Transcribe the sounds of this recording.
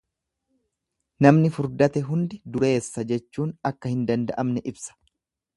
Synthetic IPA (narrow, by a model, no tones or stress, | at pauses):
nɐmnɪfʊɾd̪ɐt̪ɛɦʊnd̪ɪd̪ʊɾe̞ːsːɐd͡ʒɛt͡ʃːuːnɐkːɐhɪnd̪ɐnd̪ɐʔɐmnɛʔɪbsɐ̥